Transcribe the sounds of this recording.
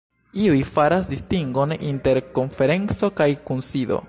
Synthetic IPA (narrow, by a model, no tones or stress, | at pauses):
iujfaɾas̬distiŋɡo̞ninte̞ɾko̞nfe̞ɾe̞nt͡so̞kajkunsido̰